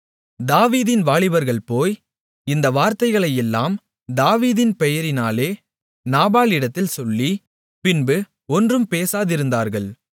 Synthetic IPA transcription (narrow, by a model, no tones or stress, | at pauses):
d̪aːʋiːðɪnʋaːɭɪʋɐɾɣɐɭpoːj | ɪnd̪ɐʋaːɾt̪ɐɪɣɐɭɐjɛlːaːm | d̪aːʋiːðɪnpɛjɐɾɪnaːleː | naːbaːlɪɽɐt̪ːɪlsɔlːi | pɪnbɯ | ɔndrɯmpeːsaːðɪɾɯnd̪aːɾɣɐɭ